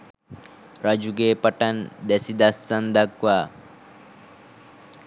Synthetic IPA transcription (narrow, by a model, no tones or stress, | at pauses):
ɾɐd͡ʒuɡeːpɐʈɐnd̪ɛsid̪ɐsːɐnd̪ɐkʋaː